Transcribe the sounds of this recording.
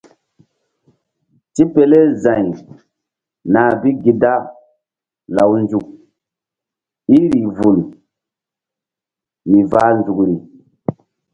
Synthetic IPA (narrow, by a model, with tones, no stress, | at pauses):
ti˦pe˨le˦zã˨j | na˨bi˦ɡi˨da˦ | la˨wnd͡zu˨k̚ | i˦ɾi˨vu˨l | mi˨vaː˦nd͡zu˨kɾi˨